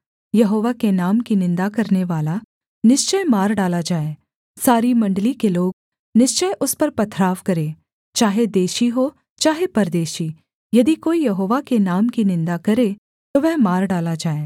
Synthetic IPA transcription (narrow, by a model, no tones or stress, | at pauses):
jɐɦoːʋakenaːmkinɪ̃nd̪akɐɾneʋaːla | nɪʃt͡ʃəjmaːɾɖaːlad͡ʒaːeː | saːɾimɐ̃ɳɖəlikeloːɡ̚ | nɪʃt͡ʃəjʔʊspɐɾpɐt̪ʰɾaːʋkɐɾeː | t͡ʃaːɦed̪eːʃiɦoː | t͡ʃaːɦepɐɾd̪eːʃi | jɐd̪ikoːijɐɦoːʋakenaːmkinɪ̃nd̪akɐɾe | t̪oʋɛɦmaːɾɖaːlad͡ʒaːeː